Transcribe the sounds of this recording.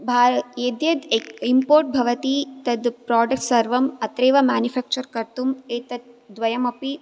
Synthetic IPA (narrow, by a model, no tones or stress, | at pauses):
bʱaːɾjeːd̪jɐd̪eimpoːɾʈ̚bʱɐʋɐt̪it̪ɐd̪pɾaːɖɐk̚ʈsɐɾʋɐmɐt̪ɾeːʋɐmaːnjufaːk̚t͡ʃɐɾkɐɾt̪umeːt̪ɐd̪̚d̪ʋɐjɐmɐpi